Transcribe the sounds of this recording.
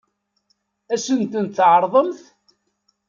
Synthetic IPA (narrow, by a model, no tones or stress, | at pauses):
æsənt̪ənt̪θʕɾˤðˤəmθ